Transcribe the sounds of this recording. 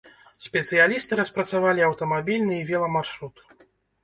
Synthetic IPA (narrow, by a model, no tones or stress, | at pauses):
sʲpʲɛt̪sɨjalʲist̪ɨɾɐspɾɐt̪savalʲiɐwt̪ɐmabʲilʲnɨivʲɛlˠɐmarʂɾut̪